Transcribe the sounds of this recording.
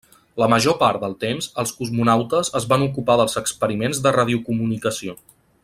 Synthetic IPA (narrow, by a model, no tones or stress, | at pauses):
ləməʒopaɾt̪d̪əlˠt̪emzəlˠskuzmunawt̪əzəzβanukupaðəlˠzəkspəɾimenzd̪ərað̞iukumunikəsio